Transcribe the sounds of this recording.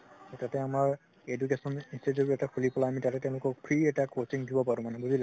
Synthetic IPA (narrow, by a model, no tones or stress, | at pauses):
tɔtatɛamaɹ | edukesɔninstetɔkɛtaxʰulipɔlaamitatɛtɛ̃ʊ̃lʊkɔk̚pʰɹiɛtakot͡ʃiŋdibɔpaɹũmanɛbudila